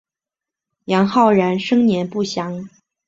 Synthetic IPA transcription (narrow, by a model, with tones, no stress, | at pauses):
jɑ˧˥ŋxɑ˥˩ʊɻə˧˥nʂɤ˥ŋnjɛ˧˥npu˥˩ɕjɑ˧˥ŋ